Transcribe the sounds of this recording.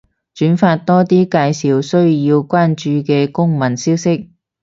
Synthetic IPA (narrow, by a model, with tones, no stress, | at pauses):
t͡ʃyː˨˥nfaː˧t̚t̪ɔː˥t̪iː˥kaː˧jsiː˨wsɵ˥ɥjiː˧wkʷwaː˥nt͡ʃyː˧kɛː˧kʊ˥ŋmɐ˨˩nsiː˥wsɪ˥k̚